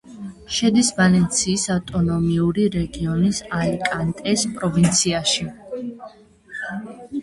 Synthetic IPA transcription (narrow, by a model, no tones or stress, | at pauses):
ʃɛd̪isvalɛnt̪sʰiːsavt̪ʼɔnɔmiuɾiɾɛɡiɔnisalikʼant̪ʼɛspʼɾɔvint̪sʰiaʃi